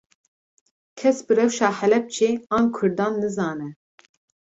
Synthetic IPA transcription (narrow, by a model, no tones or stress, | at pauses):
kʰɛsbɨrɛwʃɑːħɛlɛp̚t͡ʃʰeːɑːnkʰʊɾd̪ɑːnːɨzɑːnɛ